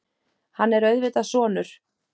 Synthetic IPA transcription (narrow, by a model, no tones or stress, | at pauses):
hanːɛɾœɥðvɪt̪asɔːnʏɾ̥